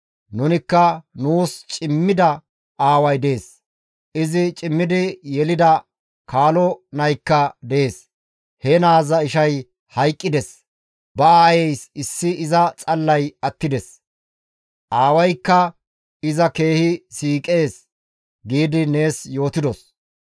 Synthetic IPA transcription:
nʊnɪkːɐnuːst͡ʃʼɪmːɪd̪ɐ | aːwɐjd̪e̞ːs | ʔɪzɪt͡ʃʼɪmːɪd̪ɪjɛlɪd̪ɐ | kʰaːlɔnɐjkːɐd̪ɛeːs | hɛnaːzɐɪʃɐj | hɐjkʼːɪd̪ɛs | bɐaːjɛjsɪsːɪʔɪzɐt͡sʼɐlːɐjɐt̪ːɪd̪ɛs | ʔaːwɐjkːɐ | ɪzɐke̞ːhɪsiːkʼe̞ːs | ɡiːd̪ɪne̞ːsjo̞ːt̪ɪd̪ɔs

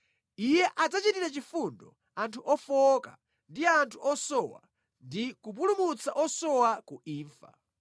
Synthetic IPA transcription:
ijɛʔad͡zat͡ʃitiɾat͡ʃifundɔ̰ | antʰuʔɔfɔka̰ | ndiantʰuʔɔsɔwa̰ | ndikup̬ulumut͡saʔɔsɔwakuʔiːɱfa̰

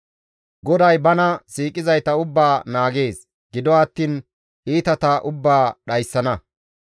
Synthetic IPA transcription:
ɡɔd̪ɐjbɐnɐsiːkʼːɪzɐjt̪ɐʊbːaːnaːɡe̞ːs | ɡ̥ɪd̪ɔɐt̪ːiːn | ʔiːt̪ɐt̪ɐʔʊbːaːɗɐjsːɐnɐ

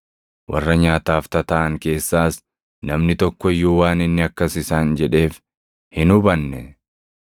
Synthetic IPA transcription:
wʔɐ̰rːɐɲaːt̪aːft̪ɐt̪ɐʔɐŋke̞ːsːaːs | nɐmnɪt̪ɔkːɔɪjːʊwaːnɪnːɪɐkːɐsɪsaːnd͡ʒɛᶑe̞ːf | hɪnʊbɐnːɛ

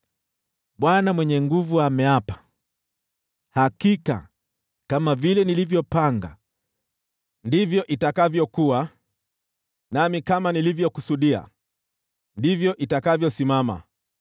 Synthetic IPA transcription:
ɓwanamwɛɲɛŋɡuvuamɛapḁ | hakika̰ | kamavilɛnilivjɔpaŋɡa̰ | ndivjɔʔitakavjɔkua | namikamanilivjɔkusuɗia̰ | ndivjɔʔitakavjɔsimama̰

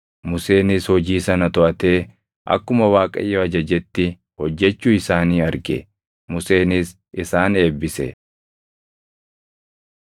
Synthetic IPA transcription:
mʊse̞ːnɪshɔd͡ʒiːsɐnɐt̪ɔʔɐt̪e̞ː | ʔɐ̰kːʊmɐwaːkʼɐ̰jːoɐd͡ʒɐd͡ʒɛt̪ːɪ | hɔd͡ʒːɛt͡ʃːuːɪsaːniːɐɾɡɛ̰ | mʊse̞ːnɪs | ʔɪsaːne̞ːbːɪsɛ̰

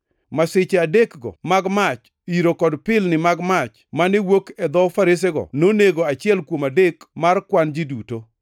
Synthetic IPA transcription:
masɪt͡ʃadekɡɔ̰maɡmat͡ʃ | iɾokɔdpɪlnɪmaɡmat͡ʃ | manɪwokɛd̪ɔfaɾɪs̬eɡɔ̰noneɡoat͡ʃɪɛlkwomadekmarkwand͡ʒiduto

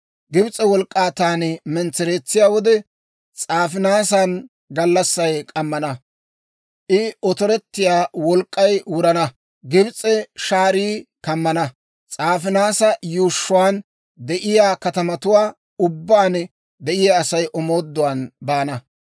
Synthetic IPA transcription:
ɡɪbt͡sʼːɛwɔlkʼːaːt̪aːnɛmɛnt͡sɛɾeːt͡sːɪjaːwɔd̪ɛ | t͡sʼaːfɪnaːsɐn | ɡɐlːɐsːɐjkʼɐmːɐnɐ | ʔɪʔɔt̪ɔɾɛt̪ːɪjaːwɔlkʼːɐjwʊɾɐnɐ | ɡɪbt͡sʼːɛʃaːɾiːkɐmːɐnɐ | t͡sʼaːfɪnaːsɐjuːʃːʊwaːn | d̪ɛʔɪjaːkɐt̪ɐmɐt̪ʊwaː | ʊbːaːn | d̪ɛʔɪjaːsɐjʔɔmo̞ːd̪ːʊwaːnbaːnɐ

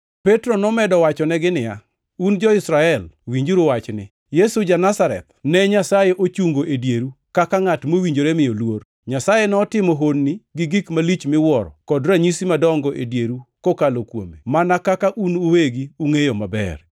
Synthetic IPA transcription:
pɛtɾonɔmɛdɔwat͡ʃɔnɛɡɪnɪja̰ | und͡ʒɔɪsɾaɛlwiɲd͡ʒuɾʊwat͡ʃnɪ | jesud͡ʒanasaɾɛ̰t̪̚nɛɲasajeʔot͡ʃuŋɡoʔedjeɾukakaŋatmowiɲd͡ʒoɾɛmɪjɔlwor | ɲasajenɛɔtɪmɔɦonːiɡɪɡikmalit͡ʃmɪwɔɾɔ̰kɔdɾaɲisimadɔŋɡɔʔedjeɾukokalokwo̰memanakakaʔunuweɡiuŋejomabɛ̰r

